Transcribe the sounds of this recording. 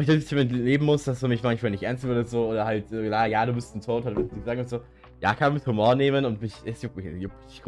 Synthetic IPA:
ɪçd̥ɪɪtʰiːmɛntleːbm̩mʊsd̥asdumɪçmançmaːlnɪçtʔɛɐnstmoːdɐzoːoːdɐhaltːklaːjaːɾuːbɪstn̩tʰoːthatvɪ̥ɪɡəzaːɡŋ̩ʊntz̥oː | jaːkʰanamɪthumoːɐneːmənʊntmɪçɛsjopjop̚ | ɡ̥

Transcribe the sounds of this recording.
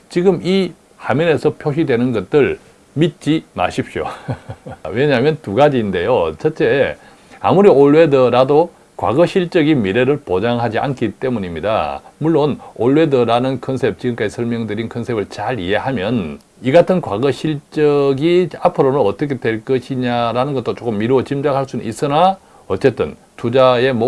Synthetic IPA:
t͡ɕiɡɯmi | hamjʌne̞sʰʌpʰjoɕidwenɯnɡʌt̚t͈ɯɭ | mit̚t͡ɕ͈ima̰ɕʰip̚ɕ͈jo̰ | we̞ɲaɦamjʌntuɡad͡ʑiːnde̞jot͡ɕʰʌt͡ɕ͈e̞ | a̰muɾioɭwe̞dʌɾado | kwa̰ɡʌɕʰiɭt͡ɕ͈ʌɡimiɾe̞ɾɯɭpod͡ʑaŋɦad͡ʑia̰nk͈ʰit͈e̞muɲimɲida̰muɭːonoɭːwe̞dɯɾanɯnkʰʌnsʰe̞p̚t͡ɕiɡɯmk͈ad͡ʑisʰʌɭmjʌŋdɯɾinkʰʌnsʰe̞bɯɭt͡ɕaɭḭe̞ɦamjʌn | iɡatʰɯnkwaɡʌɕʰiɭt͡ɕ͈ʌɡiapʰɯɾonɯnʌt͈ʌkʰe̞dwe̞ɭk͈ʌɕʰiɲaɾanɯnɡʌt͈ot͡ɕ͈ok͈ɯmːiɾoot͡ɕimd͡ʑaŋɦaɭs͈unɯnʔis͈ɯna | ʌt͡ɕ͈e̞t͈ɯn | tud͡ʑae̞mo

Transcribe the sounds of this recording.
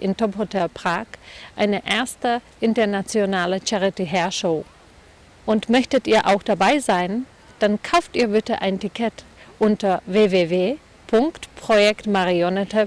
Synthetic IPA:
ʔɪ̰ntʰɔpotʰɛpʁ̥aːkʔaɪnəʔeːɐstəʔɪntɐnat͡sjonaːlət͡ʃaʁiteɦɛɐʃoʊ | ʔʊntmœçtətʔiːɐʔa̰ʊxd̥abaɪzaɪn | d̥ankʰaʊftʔiːɐvɪtəʔaɪntikʰɛt | ʔʊntɐveːveːveː | pʰʊŋktpʁ̥ojɛktmaʁionɛtʰə

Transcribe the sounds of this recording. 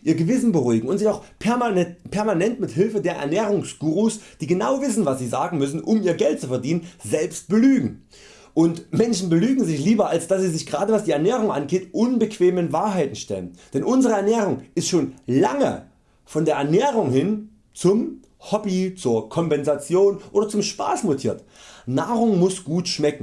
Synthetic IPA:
ʔiːɐɡəvɪsn̩bəʁuːɪɡŋ̩ʊntz̥ɪçaʊxpʰɛɐmpʰɛɐmanɛntmɪthɪlfədeːɐʔɛ̰ɐnɛːʁ̞ʊŋsɡ̥uːʁusd̥iːɡənaʊvɪsn̩vasz̥iːzaːɡŋ̩mʏs̬n̩ʔʊmiːɐɡɛlt̚t͡sufɛɐdiːnənzɛlpst̚b̥əlyːɡŋ̩ | ʔʊntmɛnʃn̩bəlyːɡŋ̩zɪçliːbɐalsd̥asz̥iːzɪçɡ̥əʁaːdəvasd̥iːɛɐnɛːʁ̞ʊŋʔa̰nɡeːtʔʊnbəkv̥eːmənvaːɐɦaɪtn̩ʃtɛlənd̥ɛnʔʊnzəʁəɛɐnɛːʁ̞ʊŋʔɪstʃoːnlaŋə̰ | fɔndeːɐʔɛɐnɛːʁ̞ʊŋhɪn | t͡sʊm | hɔbit͡suːɐkʰɔmpɛnzat͡sjoːnʔoːdɐt͡sʊmʃpa̰ːsmotʰiːɐtnaːʁʊŋmʊsɡ̥uːtʃmɛkŋ̩

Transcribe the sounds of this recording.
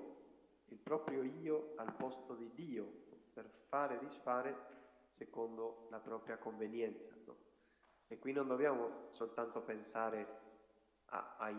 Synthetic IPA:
ilpɾɔːpɾjoiːoalpɔst̪od̪id̪iːoperfaːɾed̪isfaːɾe | sekond̪olapɾɔːpɾjakoɱvenjɛnt̪sa | ekːwinnːõnd̪objaːmosolt̪ant̪opensaːɾe | a̰a

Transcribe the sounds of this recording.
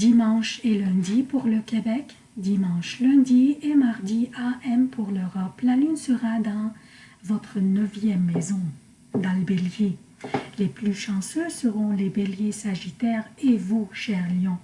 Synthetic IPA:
d̪imɑ̃ʃelɛ̃d̪ipuʁləkʲebɛk | d̪imɑ̃ʃlœ̃d̪iemaʁd̪iaʔɛmpʰuʁløʁɔplalynsəʁad̪ɑ̃ | vɔt̪χənəvjɛmːɛzɔ̃ | d̪albelje | leplyʃɑ̃søsəʁɔ̃lebeljesaʒit̪ɛːʁevuʃɛʁljɔ̃

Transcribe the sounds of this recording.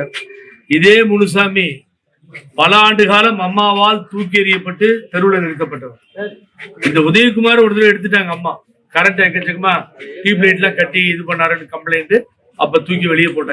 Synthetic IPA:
ɪðeːmʊnɯs̬aːmi | pɐlɐaːɳɖɯɣaːlɐ̃mɐmːaːʋaːlt̪uːk̬ːɪɛɾɪjɐpːɐʈːɯt̪ɛɾɯʋɭɐnɛɽɯt̪ːɐp̬ːɐʈːɐʋɯ | ɪnd̪ɐʊðɐjɯk̬ːʊmaːɾɔɾɐðɐlɐ̃ɛɽɯt̪̬ːɯʈ̬ːaːŋɡɐːmːaː | kɐɾɐɳʈɐkːɐt̪ːɐkːɯmaːʈiːp̬lɐɪʈ̬lãːkɐʈːɪjɐɪðɯpɐɳːaːɾɐnɯkɐmplɐɪnʈɯ | ɐ̰p̬ːɐːt̪uːk̬ːiʋɛɭɪjɐpoːʈːaː

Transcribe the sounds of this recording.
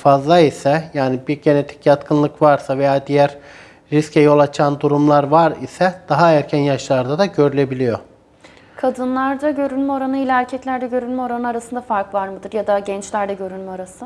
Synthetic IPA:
fazlˠaisɛjaːnibiɾɟe̞net̪ʰi̥cjat̪kʰɯnlˠɯkvaɾsave̞jaːd̪ijæɾ | ɾiscʰɛjo̞lˠat͡ʃʰand̪uɾumlˠaɾvaɾisɛd̪̥aɦaæɾcʰænjaʃlˠaɾɯd̪ad̪aɟø̞ɾylʲe̞bilʲijo̞ | kʰad̪ɯnlˠaɾd̪aɟø̞ɾynʲmɛo̞ɾanɯilʲaæɾcʰɛclʲæɾd̪ɛɟø̞ɾylʲmɛo̞ɾanɯnaɾasɯnd̪afaɾkvaɾmɯd̪ɯɾjad̪aɟɛnt͡ʃlʲæɾd̪ɛɟø̞ɾylʲmɛaɾasɯ

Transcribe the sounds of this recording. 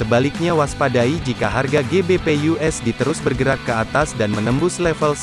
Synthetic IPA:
əbalɪk̚ɲawaspadaid͡ʒikaɦarɡaɡebepejuʔɛsdit̪əɾʊsbərɡəɾakːəat̪asdanmənəmbʊslɛfəls

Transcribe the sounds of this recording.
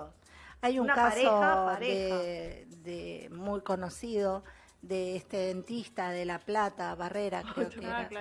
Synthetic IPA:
ajuŋkasoðe | ðemujko̞no̞siðo̞ | ðeest̪eðent̪ist̪aðelaplat̪aβareɾakɾeokeeɾa

